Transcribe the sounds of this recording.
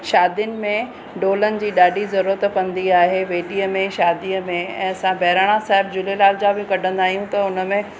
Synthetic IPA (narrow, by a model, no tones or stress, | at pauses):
ʃaːd̪jənɪ̆mẽ | ɖoːlənɪ̆d͡ʑiːɗaːɖizɐɾuɾət̪kɐ̃nd̪iaːɦeʋeːɗiəmẽʃaːd̪ijəmẽɛ̰̃ːɐsãbɛːɾaːɽ̃asaːɦɪbd͡ʑʊlelaːld͡ʑabɪkɐɖʱə̃nd̪aːɦijũt̪ɐʊnə̆mẽ